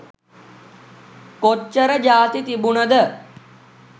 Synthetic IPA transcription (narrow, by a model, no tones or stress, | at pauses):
kot͡ʃːəɾəd͡ʒaːt̪it̪ibunəd̪ə